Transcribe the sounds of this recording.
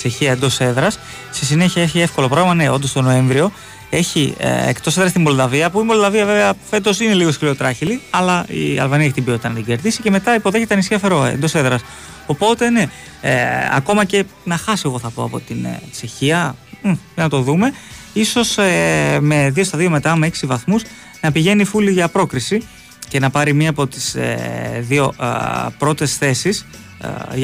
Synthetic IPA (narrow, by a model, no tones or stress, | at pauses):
t͡ʃe̞çiɐend̪o̞se̞ðɾɐs | sesine̞çiɐeçie̞fko̞lo̞pɾoɣlimɐneo̞nd̪o̞st̪o̞no̞e̞ɱvɾio̞ | e̞çḭḛkt̪oseðɾɐst̪imbo̞ld̪ɐviɐpuimo̞ld̪ɐviɐve̞veɐfe̞t̪o̞sine̞liɣoskliot̪ɾɐçiliɐlɐḭɐ̰lvɐniɐeçit̪ibiot̪it̪ɐnɐt̪iɲɟe̞ɾðisice̞me̞t̪ɐipo̞ðe̞çet̪eɐnisçiɐfe̞ɾo̞ḛnd̪o̞se̞ðɾɐs | o̞po̞t̪e̞ne̞ | ɐ̰ko̞mɐce̞nɐxɐse̞ɣo̞θɐpo̞ɐpo̞t̪int͡ʃe̞çiɐ | jɐnɐt̪o̞ðume̞iso̞seme̞ðio̞st̪ɐðio̞me̞t̪ɐmeeksivɐθmus | nɐpiʝe̞nifuliʝɐpɾo̞kɾisi | ce̞nɐpɐɾimiɐːpo̞t̪i̥sḛðio̞pɾo̞t̪e̞sθe̞sis